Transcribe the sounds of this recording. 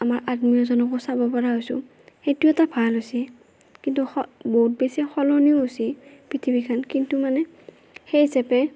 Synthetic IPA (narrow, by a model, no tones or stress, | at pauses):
amaɹʔadmijɔzɔnɔkɔsabɔpaɹaɦojsʊ̰̃ | xetuoɛtabʱalɦosiɛ | kintuxɔboɦut̚besiaxɔlɔnioosiɛpɹitʰibikʰankintumanɛ | xejsɛpɛ